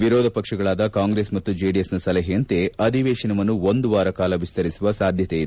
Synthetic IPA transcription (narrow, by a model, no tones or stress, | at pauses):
ʋiɾɔːd̪ʱɐpɐkʂɐɡɐɭaːd̪ɐkaːŋɡɾeːsmɐt̪ːud͡ʒeːɖijesnɐsɐlɐɦiɐnt̪eɐd̪iʋeːʃɐnɐmɐnːuond̪uʋaːɾɐkaːlɐʋist̪ɐɾisuʋɐsaːd̪ʱjɐt̪ejid̪u